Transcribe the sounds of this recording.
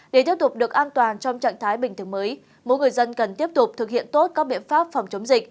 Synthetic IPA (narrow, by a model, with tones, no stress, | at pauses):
ɗe˧˩t̪i˦˥əp̚t̪k͡p̚ɗɨ˨˩ək̚ʔaː˧nt̪waː˨˩nt͡ɕɔ˧wŋ͡mt͡ɕa̰˧˨ŋt̪ʰaː˨˦jɓï˨˩ŋ̟t̪ʰɨ˧˩əŋməː˨˦j | mo̰˧˥jŋɨ˨˩əjzə˧nkə˨˩nt̪i˦˥əp̚t̪ʊ˨˩k͡p̚t̪ʰɨ˨˩k̚hḭ˧˨ənt̪o˦˥t̚kaː˦˥k̚ɓḭ˧˨ənfaː˦˥p̚fɔ˨˩wŋ͡mt͡ɕə˨˦wŋ͡mzï˨˩k̚